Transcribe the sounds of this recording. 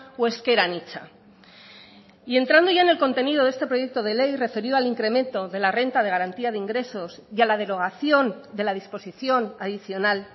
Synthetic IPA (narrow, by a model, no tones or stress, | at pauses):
oe̞ske̞ɾanit͡ʃa̰ | ie̞nt̪ɾand̪o̞ʝaene̞lko̞nt̪e̞niðo̞ðe̞st̪epɾo̞je̞k̚t̪o̞ð̞e̞le̞jre̞fe̞ɾjoaliŋkɾe̞mẽ̞nt̪o̞ðe̞lare̞nt̪að̞e̞ɣ̞aɾant̪iaðeiŋɡɾe̞so̞sjialað̞e̞ɾo̞ɣ̞aθjo̞nd̪e̞laðispo̞siθjo̞naðiθjo̞nal